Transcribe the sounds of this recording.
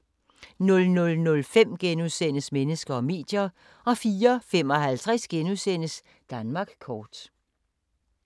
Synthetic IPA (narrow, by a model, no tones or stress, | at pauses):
nɔ̽lnɔ̽lnɔ̽lfem̰ɡ̥enuðˠsen̰əsmenəsɡ̥ɐɒ̽me̝̰ːd̥jɐ | ɒ̽fiːɐfem̰ɒ̽hælt͡sʰʁasɡ̥enuðˠsen̰əs | d̥ænmɑ̈ːɡ̥kʰɒːd̥